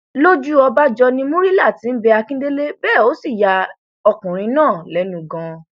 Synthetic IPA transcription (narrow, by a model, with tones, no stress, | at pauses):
lo˦d͡ʒu˦ɔ˧ba˦d͡ʒɔ˧nĩ˧mũ˦ɾi˦la˦˨tĩ˨˦n̩˦bɛ˧a˧kĩ˦de˦le˦bɛː˦˨o˨˦si˦˨ja˧ | ɔ˧kũ˨ɾ̃ĩ˧nãː˦˨lɛ˨˦nũ˨ɡã˧